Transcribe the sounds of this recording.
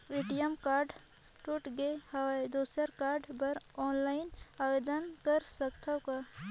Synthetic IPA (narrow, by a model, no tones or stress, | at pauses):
ʋɪʈijəmkaːɾɖʈuʈɡehɐʋaed̪uːsəɾkaːɾɖbɐɾɔːnlaːɪnaʋed̪ənkəɾsəkt̪ʰaka